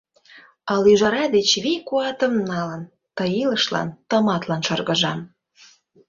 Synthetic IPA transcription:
ɑlyʒɑɾɑd̪et͡ɕβikuɑt̪ə̆mnɑlən | t̪əjiləʃlɑ̰nt̪ə̆mɑt̪lɑnʃɤrɣə̆ʒɑm

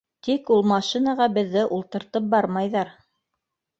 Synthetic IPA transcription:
t̪ikulˠmɑʃinɑʁɑbɘ̆ðːɘʔulˠt̪ɤ̆ɾt̪ɤp̚bɑɾmɑjðɑɾ

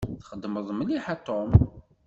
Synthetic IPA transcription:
θχəd̪ːməðˤməliħat̪ːom

